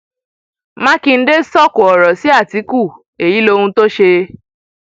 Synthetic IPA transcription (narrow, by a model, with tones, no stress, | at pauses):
mã˦ki˧n̩˦de˦sɔ˦˨ko˨ɔ˨ɾɔ˨si˨˦a˦˨ti˨˦ku˦˨ | e˨ji˨˦lo˧hũ˧to˦ʃe˧